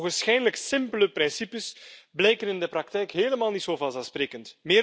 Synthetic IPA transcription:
ɣənsxɛjdələksɪmpələpɾɪnsipəsblɛjkənɪndəpɾɑk̚tɛjkɦeːləmaːlˠnitsoːvɑlˠzaspɾeːkəntmɪː

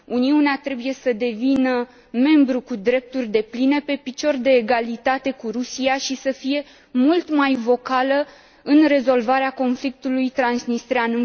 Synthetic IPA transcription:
uniuneat̪ɾe̞buje̞səd̪e̞vinə | me̞mbɾukud̪ɾe̞p̚t̪urʲd̪e̞pline̞pe̞pit͡ʃo̞rd̪e̞ːɡalit̪at̪e̞kuɾusijaʃisəfije̞ | mult̪majvo̞kalə | ɨnre̞zo̞lvaɾeako̞nflik̚t̪ulujt̪ɾansnist̪ɾeanɨn

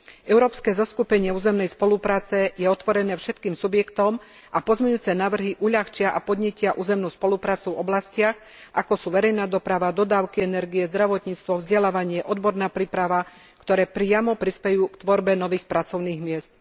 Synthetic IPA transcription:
ɛʊɾɔːpskɛːzaskupɛɲɪɛuːzɛmnɛjspɔlupɾaːt͡sɛjɛɔt̪ʋɔɾɛnɛːfʃɛt̪kiːmsubjɛkt̪ɔm | ʔapɔzmɛɲuːt͡sɛnaːʋr̩ɦiʔuʎaxt͡ʃɪaʔapɔd̪ɲɛcɪaʔuːzɛmnuːspɔlupɾaːt͡suvɔblascɪax | ʔakɔsuːʋɛɾɛjnaːd̪ɔpɾaʋad̪ɔd̪aːʊkiɛnɛɾɡijɛzd̪ɾaʋɔt̪ɲiːt͡st̪ʋɔvzɟɛlaːʋaɲɪɛʔɔd̪bɔɾnaːpɾiːpɾaʋa | kt̪ɔɾɛːpɾɪamɔpɾispɛjuːkt̪ʋɔɾbɛnɔʋiːxpɾat͡sɔʊniːɣmɪɛst̪̚

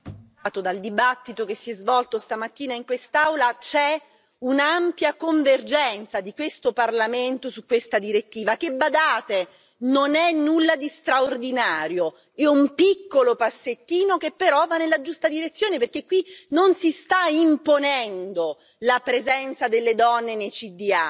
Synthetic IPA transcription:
t̪od̪ald̪ibat̪ːit̪okesːiɛzvɔlt̪ost̪amat̪ːiːnaiŋkwest̪awlat͡ʃɛ | unampjakoɱverd͡ʒɛnt̪sad̪ikwest̪oparlament̪osukːwest̪ad̪iɾet̪ːiːvak̟ebːad̪aːt̪e | nonɛnːulːad̪ist̪ɾaord̪inaːɾjo | eumpikːolopasːet̪ːiːnokepːeɾɔvanːelːad͡ʒust̪ad̪iɾet̪sːjoːneperk̟ekːwinonsist̪aimponɛnd̪o | lapɾezɛnt̪sad̪elːed̪ɔnːenejt͡ʃid̪ia

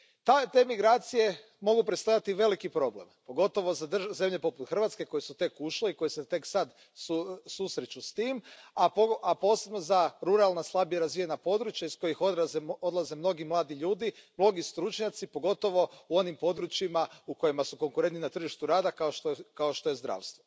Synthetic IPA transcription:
t̪at̪e̞ːmiɡɾaːt̪sije̞ | mo̞ɡupɾest̪ajat̪iʋe̞likipɾo̞ble̞̰mpo̞ɡo̞t̪o̞ʋo̞zad̪r̩ze̞mʎe̞po̞put̪xr̩ʋat̪ske̞ko̞jesut̪e̞kuʃleiko̞jeset̪e̞ksad̪ | ssusɾet͡ʃust̪iːmapoapo̞ːse̞bno̞zaɾuɾalˠnaslˠabijeɾazʋijenapo̞d̪ɾut͡ʃjaisko̞jixod̪ɾazeod̪lˠaze̞mno̞ɡimlˠaːd̪iʎuːd̪imlo̞ɡist̪ɾut͡ʃɲat̪sipo̞ɡo̞t̪o̞ʋo̞uo̞nimpo̞d̪ɾut͡ʃimauko̞jimasuko̞ŋkuɾent̪ninat̪r̩ʒiʃt̪uɾaːd̪akaoʃt̪okao̞ʃt̪o̞jezd̪ɾa̰ːʋst̪ʋo

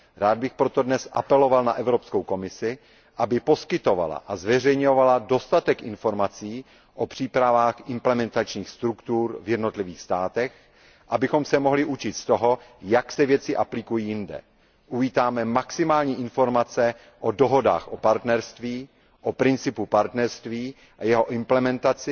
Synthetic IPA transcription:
ɾaːd̪̚bɪxpɾo̞t̪o̞dnɛsʔa̰pɛlo̞valna̰ʔɛvɾo̞pskowko̞mɪsɪ | ʔabɪpo̞skɪt̪ova̰la̰ʔazvɛrɛjɲovalado̞st̪at̪ɛkʔɪnfo̞ɾmat͡siː | ʔopr̥iːpɾavaːxʔɪmplɛmɛnt̪at͡ʃɲiːxst̪ɾukt̪uːɾvjɛdno̞t̪lɪviːxst̪aːt̪ɛx | ʔabɪxo̞msɛmo̞ɦlɪʔut͡ʃɪt̪st̪o̞ɦo̞jaksɛvjɛt͡sɪʔaplɪkujiːjɪndɛ̰ | ʔuviːt̪aːmɛmaksɪmaːlɲiːʔɪnfo̞ɾmat͡sɛ | ʔodoɦo̞da̰ːxʔopaɾt̪nɛɾst̪viː | ʔopɾɪnt͡sɪpupaɾt̪nɛɾst̪viː | ʔajɛɦo̞ʔɪmplɛmɛnt̪at͡sɪ

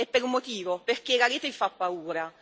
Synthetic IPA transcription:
ɛpːeɾumːot̪iːvoperk̟eɣaɾiːt̪evifapːauːɾa

